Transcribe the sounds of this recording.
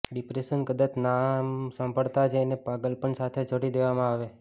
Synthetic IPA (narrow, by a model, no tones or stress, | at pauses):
ɖipɾeʃənkəd̪at͡ʃnamsə̃mbʱəɽt̪ad͡ʒenepaɡəlpəɳsat̪ʰed͡ʒoɽid̪eʋamãaʋe